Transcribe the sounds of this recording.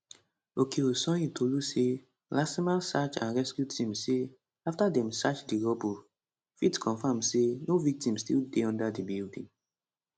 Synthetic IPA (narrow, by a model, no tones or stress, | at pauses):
okʰeosɔ̃jitʰoluse | lasimalsat͡ʃã̰nɹɛskjutʰĩmse | aftadɛ̃msat͡ʃdiɾɔbo | fitkʰɔ̃nfãmsenovik̚tĩmstḭldeɔ̃ndadibildĩŋ